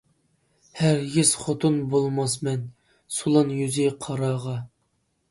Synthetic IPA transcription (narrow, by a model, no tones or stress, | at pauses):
hæɾɡʲiz̥χot̪ʰʊnbolˠmɑs̬mɛn | sulˠɑnjyzɪqʰɑɾɑːʁɑ